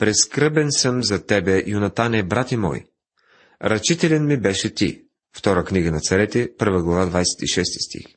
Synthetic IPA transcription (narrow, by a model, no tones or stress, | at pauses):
pɾɛskɾɤbɛnsɤmzɐt̪ɛbɛj̰ʊnɐt̪anɛbɾat̪ɛmɔ̰j | ɾɐt͡ʃit̪ɛlʲɛnmibɛʃɛt̪ḭ | ft̪ɔɾəkniɡənɐt̪sɐɾɛt̪ɛpɤɾvəɡlˠɐvad̪vajsɛ̥t̪iʃɛst̪i̥st̪ḭx